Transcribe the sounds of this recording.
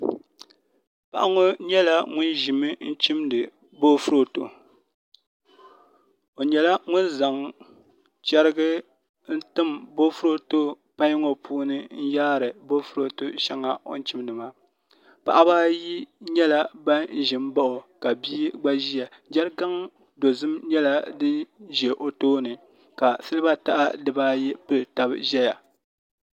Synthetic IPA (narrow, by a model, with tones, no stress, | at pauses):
pa̰˦˨ʔa˦ŋo˦ɲɛ˦la˦ŋʊ˦nʒi˨mɨ˦n̩˦t͡ʃi˦mdɨ˨ | bo˦fu˦ɾo˨to̰˨ | o˨ɲɛ˨la˦ŋʊ˦nza˨ŋ | t͡ʃɛ˦ɾɨ˦ɡɨ˦ | n̩˦tɨ˦mbo˦fu˦ɾo˨to˦ | pa˦ɲ˦ŋo˦pʰuː˦nɨ˦n̩˦jaː˦ɾɨ˨bo˦fʊ˦ɾo˨to˦ʃa˦ŋa˨o̰˦n˦t͡ʃi˦mdɨ˨ma˦ | pa̰˨ʔa˦baː˦ji˦ɲɛ˦la˨ba˦n̩˦˨ʒɪ˨m˦ba˦ʔo˨ka˨biː˦ɡ͡ba˦ʒi˦ja˨ | d͡ʒɛ˦ɾɡa˦ŋ | do˨zɨ˦mɲɛ˦la˦dɨ˦nʒɛ˨ʔo˨toː˦nɨ˨ | ka˨sɨ˦lɨ˦ba˦ta˦ʔa˦dɨ˦ba˦jɛ˦pɨ˦˨ta˦bʒɛ˦ja˨